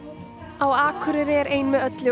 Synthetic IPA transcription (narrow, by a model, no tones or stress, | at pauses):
awaːkʰʏɾɪɾɪɛɾeːjnmɛðœt̪lɪ